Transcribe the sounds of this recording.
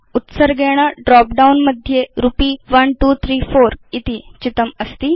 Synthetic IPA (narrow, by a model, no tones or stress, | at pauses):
ut̪səɾɡɛɽ̃aɖɾɔp̚ɖaunməd̪ʱːjeɾupiːʋənʈut̪ʰɾiːfoɾit̪iːt͡ɕit̪əməst̪iː